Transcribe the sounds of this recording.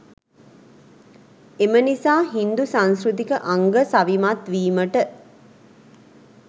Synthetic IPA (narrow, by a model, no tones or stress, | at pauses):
emənisaːɦind̪usãnsɾut̪ikəʔaŋɡəsaʋimat̪ʋiːməʈə